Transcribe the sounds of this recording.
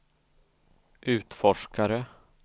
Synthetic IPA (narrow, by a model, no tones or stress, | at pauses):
ʔʉ̟ːt̪fɔʂkaɾə